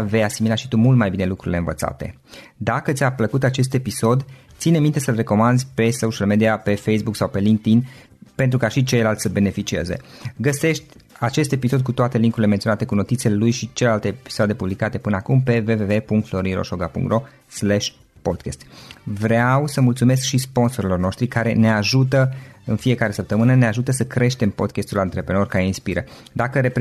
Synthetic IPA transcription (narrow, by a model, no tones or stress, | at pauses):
ve̞jasimilaʃit̪umult̪majbine̞lukɾuɾile̞ɨnvə̰t̪sa̰t̪e̞̰ | d̪akət̪sʲapləkut̪at͡ʃe̞s̬t̪e̞piso̞d̪ | t̪sinemint̪e̞səlre̞ko̞mand̪pe̞sowʃialme̞d̪iape̞fejsbuksawpe̞liŋk̚t̪in | pent̪ɾukaʃit͡ʃe̞jlalt̪səbe̞ne̞fit͡ʃie̞ze̞̰ɡəse̞ʃt̪ʲ | at͡ʃe̞st̪episo̞d̪̚kut̪oat̪e̞liŋkuɾile̞ment̪sʲionat̪e̞kuno̞t̪it̪selelujʃit͡ʃelelalt̪epi̥sad̪e̞publikat̪e̞pɨneakumpe̞ve̞ve̞ve̞puŋkt̪flo̞ɾiɾo̰ʃoɡapṵŋkt̪ɾro̞ | slɛʃʲ | pod̪kʲest̪vɾeawsəmult̪sume̞s̬kʃispo̞nso̞ɾilo̞rno̞ʃt̪ɾikaɾe̞ne̞aʒut̪əɨnfie̞kaɾe̞səp̚t̪əmɨnəneaʒut̪əsəkɾe̞ʃt̪e̞mpo̞d̪kʲest̪ulant̪ɾepɾe̞no̞rkaɾe̞inspiɾə̰d̪akəɾep